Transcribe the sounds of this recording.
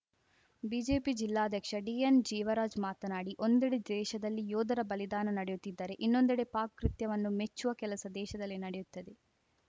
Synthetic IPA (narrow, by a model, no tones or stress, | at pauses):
biːd͡ʒe̞ːpid͡ʒilːaːd̪ʱjɐkʂɐɖiːend͡ʒiːʋɐɾaːd͡ʒmaːt̪ɐnaːɽiʔo̞nd̪eɽed̪ɛːʃɐd̪ɐlːijɔːd̪ɐɾɐbɐlid̪aːnɐnɐɽejut̪ːid̪ːɐɾe̞ʔinːo̞nd̪eɽe̞paːkkːɾit̪jɐʋɐnːumet͡ʃːuʋɐkɛlɐsɐd̪ɛːʃɐd̪ɐlːinɐɽejut̪ːɐd̪e̞